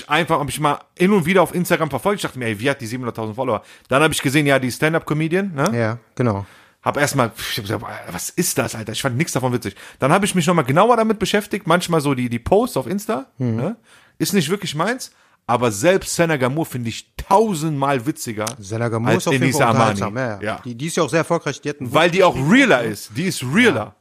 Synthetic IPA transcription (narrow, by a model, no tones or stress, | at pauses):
ʔaɪnfaχhaːbəɪçmaːlʔɪnʊntv̥iːɾɐaʊfʔɪnstaɡʁamfɛɐfɔlktɪ̥çd̥aχtəmiːɐʔɛɪviːhatdiziːbm̩ʊndɐtʰaʊzn̩tfɔloːɐd̥anhaːbəɪçɡ̥əzeːənjaːdiːstɛndap̚kʰɔmiːdiənːəjaɡ̥ənaʊ | haːbəʔeːɐstmaːlaːbɡəzavasɪst̚d̥asʔaltɐɪçfantnɪçksd̥afɔnvɪt͡sɪçd̥anhaːbəɪçmɪç̬nɔχmaːlɡənaʊɐɾamɪt̚b̥əʃɛftɪçtmançmaːlzoːdiːdiːpʰoʊstaʊfʔɪnstanə | ʔɪstnɪç̬tvɪɐklɪçmaɪns | ʔaːbɐzɛlpstz̥ɛnaɡamuːɐfɪndəɪçtʰaʊzntmaːlvɪt͡sɪɡɐzɛnaɡamalseniːsaama̰ːnija̰ːd̥idiːɪstjaʊxzeːɐɛɐfɔlkʁaɪçd̥iːɛtn̩vaɪldiːaʊxʁiːlɐɪstd̥iːɪstʁiːlɐ̰